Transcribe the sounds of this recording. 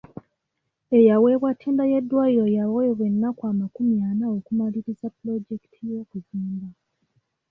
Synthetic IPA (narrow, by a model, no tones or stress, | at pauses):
e̞jawe̞ːβwatʰːiːndaje̞dːwaːjiɾo̞jawojoβwe̞nːakwaːmakumjaːnao̞kumaliɾizaplo̞d͡ʒeki̥tʰijo̞ːkuziːmba